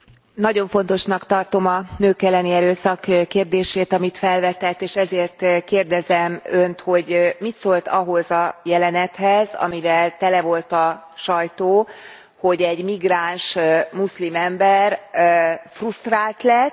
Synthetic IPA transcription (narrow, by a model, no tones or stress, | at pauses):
nɒɟo̞ɱfo̞n̪t̪o̞ʃnɒkt̪ɒrt̪o̞mɒnøːkɛlːɛniɛɾøːsɒkkːeːrd̪eːʃeːt̪ɒmit̪fɛlvɛt̪ɛt̪ːeːʃɛzeːrt̪keːrd̪ɛzɛmønt̪ho̞ɟmit̪soːlt̪ɒɦo̞zɒjɛlɛnɛt̪hɛzɒ̰mivɛlt̪ɛlɛvo̞lt̪ɒʃɒjt̪oː | ho̞ɟɛɟmiɡraːnʃmuslimɛmbɛr | frust̪raːlt̪lɛ